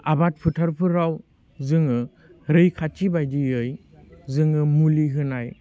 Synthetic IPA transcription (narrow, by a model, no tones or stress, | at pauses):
abat̚pʰɯtʰaɾpʰɯɾaw | zɯŋɯ | ɾɯjkʰatʰibajdiɯj | zɯŋɯmuliɦɯnaj